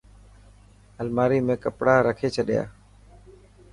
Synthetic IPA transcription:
əlmaːɾiːmẽːkəpɽaːɾəkʰeːt͡ʃʰəɗɪja̰ː

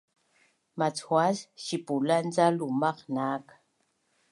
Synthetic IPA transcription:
mat͡sxwasʃipuland͡zalumaqnak

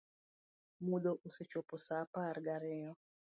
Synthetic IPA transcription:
mud̪oʔuset͡ʃopɔsaparɡaɾɛjɔ

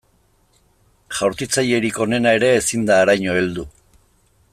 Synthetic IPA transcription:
ʝawɾt̪it͡saje̞ɾiko̞ne̞nae̞ɾe̞ːsind̪aːɾajɲo̞e̞ld̪u

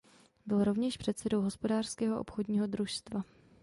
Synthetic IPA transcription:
bɪlɾovɲɛʃpr̥ɛt̪sɛdo̞wɦospo̞daːr̥skɛːɦoʔo̰pxodɲiːɦo̞dɾuʃst̪va

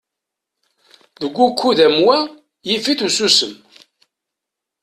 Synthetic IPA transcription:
ðəɡʷːukʷːuðæmwæ | jifiθususəm

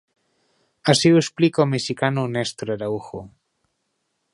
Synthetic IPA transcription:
asiuesplikomesikanonest̪ɾaɾauxo

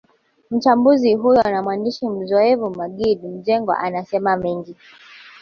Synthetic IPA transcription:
m̩t͡ʃambuziɦujɔnamwandiʃim̩zɔɛvumaɠiɗim̩ʄɛŋɡwa̰ʔanasɛmamɛŋɡi

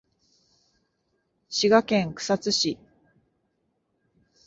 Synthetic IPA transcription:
ɕiɡakẽ̞ŋkɯ̥sat͡sɨɕi

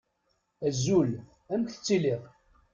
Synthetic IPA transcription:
æzːul | æmkθə̥t͡sːiliʁ

